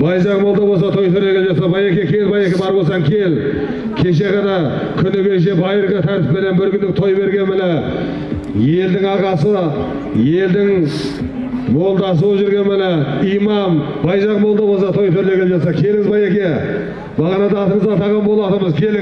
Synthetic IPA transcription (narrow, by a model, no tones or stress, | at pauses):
bɑjʒɑqmo̞lˠd̪ɑbosɑt̪ʰo̞jt̪ʰɵɾle̞ɡʲeeʒɑt̪sɑbɑjekʲe̞kʲʰelbɑjekʲe̞bɑɾbo̞lsɑŋkʲʰe̞l | kʲʰe̞ʃe̞ʁɑnɑ | kʲʰʏnɪkʲʰe̞ʃ̬e̞bɑjɾəʁət̪ʰæɾt̪ɪ̥pmenenbʏɾɡʲʏnd̪ɪk̚t̪ʰo̞jbe̞ɾɡʲe̞nmɪnɪ | je̞ld̪ɪŋɑqɑsə | je̞ld̪ɪŋ | mo̞lˠd̪ɑs̬uwəʒʏɾɡʲe̞nmɪnɪijmɑm | bɑjʒɑqmo̞lˠd̪ɑbosɑt̪ʰo̞jt̪ʰɵɾle̞ɡʲeepʒɑt̪sɑkʲʰe̞lɪŋɪzbɑjekʲe̞ | bɑʁɑnɑd̪ɑːt̪əɴəzbɑt̪ʰɑʁɑnbo̞lˠɑt̪əməzkʲʰel